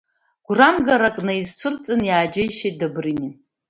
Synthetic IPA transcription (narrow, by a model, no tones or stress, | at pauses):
ɡ̥ʷramɡaɾakʼnaizt͡ʃʷʰɨrt͡sʼɨnjaːd͡ʒajʃejt̚ʼdabrini